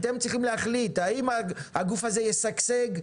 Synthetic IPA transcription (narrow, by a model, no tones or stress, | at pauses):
t̪e̞mtt͡sʁiχimlehaχlit̪aimahaɡufazejesakseɡ